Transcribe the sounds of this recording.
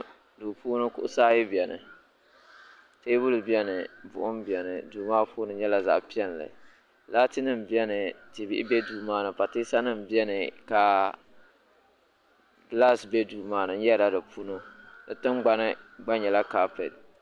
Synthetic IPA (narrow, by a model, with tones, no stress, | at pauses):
du˨puː˦no˦kʊ˦ʔʊ˦saː˦jɪ˦bi˨ɛ˨nɨ̰˨ | teː˦bʊ˦lɨ˨bi˦ɛ˦nɨ˨bʊ̰˨ʔʊ˦m˦bi˨ɛ˨nɨ̰˨duː˨maː˦pʰuː˦nɨ˨ɲɛ˦la˨za̰˨ʔpi˦ɛ˦n˨lɨ̰˨ | la˦tɨ˦nɨ˦m˨bi˦ɛ˦nɨ˨ti˨bi˦ʔɪ̰˦bɛ˦duː˨maː˦nɨ˨pa˨te˦sa˦nɨ˦m˨bi˦ɛ˦nɨ˨ka˨ | ɡla˦sbɛ˦duː˨maː˦˨nɨ˨n˦jɛ˦da˦dɨ˨pu˦no˦dɨ˨tɨ˦m˦ɡ͡ba˦nɨ˦ɡ͡ba˦ɲɲɛ˨la˦ka˦pɛ̰˨t̚